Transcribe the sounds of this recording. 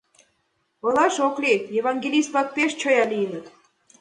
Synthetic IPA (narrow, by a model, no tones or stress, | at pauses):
ɤlɑʃoklʲejeβɑnɡʲelʲist̪̚pɑk̚peʃt͡ɕojɑlʲijənə̆t̪